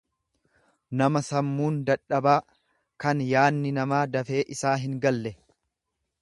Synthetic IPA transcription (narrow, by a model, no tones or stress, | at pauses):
nɐmɐsɐmːuːnd̪ɐᶑːɐbaː | kɐnjaːnːɪnɐmaːd̪ɐfe̞ːʔɪsaːɦɪŋɡɐlːɛ